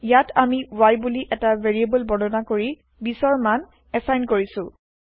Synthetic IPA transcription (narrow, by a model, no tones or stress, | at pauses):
jatʰamiwajbuliʔɛtaveɹiebɔlbɔdɔnakoɹi | bisɔɹman | ɛsajnkoɹisʊ̃